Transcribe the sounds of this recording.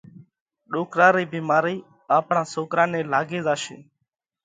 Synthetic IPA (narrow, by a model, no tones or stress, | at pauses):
ɗoːkɾãːɾiːbiːmaːɾiː | aːpɳãːsoːkɾãːnẽːlaːɡeːzaːʃḛː